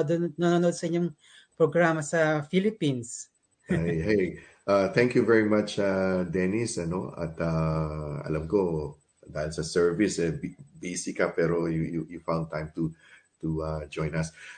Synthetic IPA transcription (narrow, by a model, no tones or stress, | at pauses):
d̪nɐnoːnod̪̚sɐʔɪɲoŋ | pɹoɡɹamɐsɐfilɪpins | aɦe | ʔat̪ʰɛ̃ŋkjuvɛɹimat͡ʃad̪ɛnisɐnoɐ̰t̪aɐ̰lamko | d̪aɪnsɐsɛɹvisɛbbesikapɛɾojujujufãw̃nd̚t̪ãjmt̪u | t̪uad͡ʒɔ̃jnɐs